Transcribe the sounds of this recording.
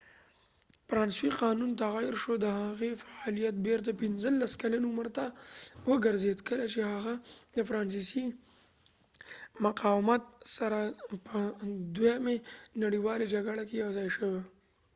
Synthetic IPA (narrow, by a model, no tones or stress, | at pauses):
fɾɑnswiqɑnunt̪aɣajɪɾʃod̪əhaɣefaɑlijat̪̚beɾt̪apɪnzəlːaskalanuməɾt̪awəɡəɾzed̪kəlat͡ʃehaɣad̪əfɾɑns̬isi | maqɑwmat̪̚saɾapəd̪wjamenaɽiwɑled͡ʒaɡaɽakejawzɑjʃəwe